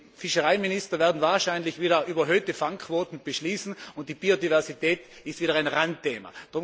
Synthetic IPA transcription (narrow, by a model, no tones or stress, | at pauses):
fɪʃəʁaɪminɪstɐvɛːɐdn̩vaːɐʃaɪnlɪçv̥iːɾɐʔyːbɐɦøːtəfaŋkʰv̥oːtn̩b̥əʃliːsn̩ʊnt̚d̥iːb̥iːodivɛɐsitʰɛːtɪstv̥iːɾɐaɪnʁantʰːeːma̰d̥ʁʊ